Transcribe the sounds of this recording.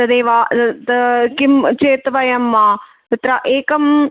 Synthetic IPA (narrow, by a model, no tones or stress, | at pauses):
t̪ɐd̪eːʋaːt̪kimt͡ʃeːt̪ʋɐjɐmːaː | t̪ɐt̪ɾɐʔeːkɐm